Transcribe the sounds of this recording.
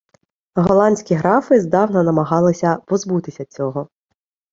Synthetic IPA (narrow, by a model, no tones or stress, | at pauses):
ɦɔlˠɑnʲsʲkʲiɦɾɑfɪzd̪ɑwnɐnɐmɐɦɑlˠɪsʲɐpɔzbut̪ɪsʲɐt͡sʲɔɦɔ